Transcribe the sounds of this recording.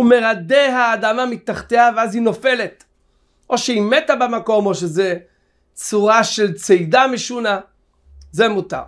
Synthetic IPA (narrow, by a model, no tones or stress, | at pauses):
ume̞ʁad̪eɦaːd̪amamit̪aχt̪eaveazhino̞fe̞let̪ | ʔo̞ʃeimet̪abemako̞mo̞ʃeze | t͡suʁaʃelt͡sejdameʃuna | zemut̪a̰ʁ